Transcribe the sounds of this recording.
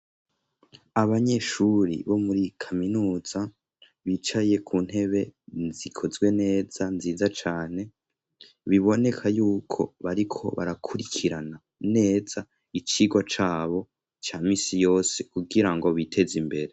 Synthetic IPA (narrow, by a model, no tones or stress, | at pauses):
aβaɲe̞ʃuɾḭβo̞muɾikʰaminuːz̥a | βiːt͡ʃaje̞kʰuːn̥he̞βe̞zikʰo̞zɡwe̞ne̞ːz̥anziːzat͡ʃaːne̞ | βiβo̞ne̞kʰajuːkʰo̞̰βaɾikʰo̞̰βa̰ɾakʰuɾikʰiɾana | ne̞ːz̥a | it͡ʃiːɡwat͡ʃaːβo̞ | t͡ʃaːmiːsijo̞ːse̞kuɡiɾaŋɡo̞βitʰe̞zimbe̞ɾe̞